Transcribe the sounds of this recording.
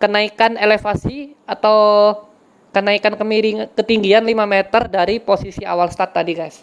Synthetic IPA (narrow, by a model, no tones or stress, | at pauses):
kənaikanelefasiat̪aw | kənaikankəmiɾiŋkət̪iŋɡianlimamet̪ərdaɾiposisia̰walsə̥t̪at̪ːadiɡajs